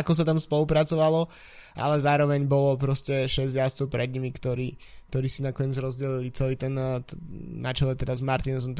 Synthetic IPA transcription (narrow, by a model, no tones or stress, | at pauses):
akɔs̬at̪amspɔlupɾat͡sɔʋalɔ | ʔa̰lɛzaːɾɔʋɛɲbɔlɔp̬ɾɔscɛʃɛzɟjast͡sɛʊpɾɛd̪ɲimikt̪ɔɾiː | k̚t̪ɔɾiːsinakɔɲɛd͡zɾɔzɟɛlilit͡sɛliːt̪ɛnː | at͡ʃɛlɛt̪ɛd̪azmaɾt̪insɔnt̪